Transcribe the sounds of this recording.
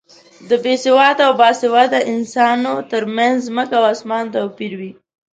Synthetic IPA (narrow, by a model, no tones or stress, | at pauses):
d̪əbesɪwɑt̪awbɑsɪwɑd̪aʔɪnsɑnot̪əɾmanzzməkawasmɑnt̪awpiɾwi